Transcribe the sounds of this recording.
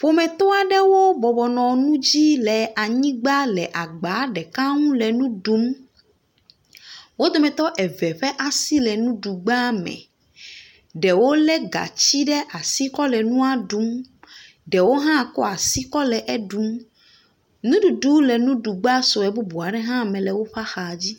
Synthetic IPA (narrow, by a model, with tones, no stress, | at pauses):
ɸo˨mɛ̃˨t̪ɔ˦a˨ɖɛ˦wo˦bɔ˨bɔ˨nɔ̃˨nũ˦d͡ʑi˦lɛ˨ʔa˨ɲĩ˦ɡ͡ba˦lɛ˨ʔa˨ɡ͡ba˨˦ɖɛ˨ka˦ŋũ˦lɛ˨nũ˦ɖu˦m | wo˦d̪o˨mɛ̃˨t̪ɔ˦ʔɛ˨vɛ˨ɸɛ˦ʔa˨si˦lɛ˨nũ˦ɖu˨ɡ͡ba˦mɛ̰̃˨ | ɖɛ˨wo˦lɛ˦ɡa̰˨t͡ɕi˦ɖɛ˦ʔa˨si˦kɔ˦lɛ˨nũ˦a˨ɖu˦m | ɖɛ˨wo˦ɦã˦˨kɔ˦a˨si˦kɔ˦lɛ˨ʔɛ˦ɖu˨˦m | nũ˦ɖu˨ɖu˨˦lɛ˨nũ˦ɖu˨ɡ͡ba˦so˨ɛ˨bu˦bu˨a˨ɖɛ˦ɦã˦˨mɛ̃˨lɛ˨wo˦ɸa˦xa˨d͡ʑi˦